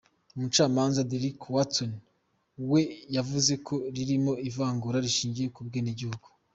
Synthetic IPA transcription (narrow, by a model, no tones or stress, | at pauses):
umut͡ʃaːmaːnzadeɾikwaton | we̞javuze̞kʰo̞ɾiɾimo̞ivaːŋɡuɾaɾiʃiːɲɟije̞kub̚ɡeːneɟihuɡu̥